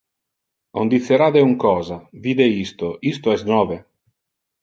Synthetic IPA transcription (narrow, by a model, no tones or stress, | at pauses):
o̰nd̪it̪sːeɾad̪euŋkɔːzaviːd̪eist̪oist̪oɛsnɔːve